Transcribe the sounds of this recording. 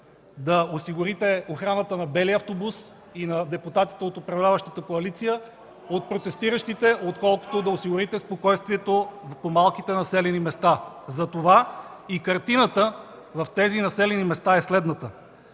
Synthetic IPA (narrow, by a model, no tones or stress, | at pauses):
d̪ɐosiɡʊɾit̪ɛoxɾanət̪ənɐbɛliɐft̪obus | inɐd̪ɛput̪at̪i̥t̪ɛot̪opɾɐvlʲavəʃt̪ət̪əkoɐlit̪sijə | ot̪̚pɾot̪ɛst̪iɾəʃt̪it̪ɛʔot̪kɔlˠko̥t̪od̪ɐosiɡʊɾit̪ɛspokɔjst̪viɛt̪opomalˠkit̪ɛnɐsɛlɛnimɛst̪a | zɐt̪ova | ikɐɾt̪inət̪ə | vɐft̪ɛzinɐsɛlɛnimɛst̪aɛslɛd̪nət̪ə